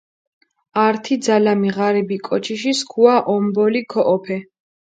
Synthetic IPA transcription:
aɾt̪ʰid̪zalamiʁaɾɛbikʼɔt͡ʃʰiʃiskʰuaʔɔmbɔlikʰɔʔɔpʰɛ

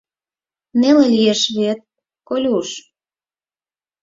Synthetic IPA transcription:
nelelʲijeʃβet̪̚ | kolʲuʃ

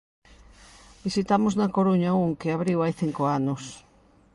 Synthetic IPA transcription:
bisit̪amoznakoɾuɲauŋkeaβɾiwajθiŋkoanos

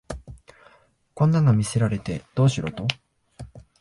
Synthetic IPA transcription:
kõ̞nːãŋɡamʲise̞ɾaɾe̞t̪e̞d̪̥o̞ːɕiɾo̞t̪o̞

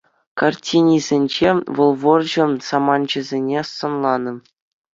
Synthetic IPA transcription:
kɑrtʲinʲizʲenʲd͡ʑeʋɤ̆lˠʋɤ̆rʑɤ̆nsɑmɑnd͡ʑɘ̆zʲenʲesɤ̆nlˠɑnɤ̆

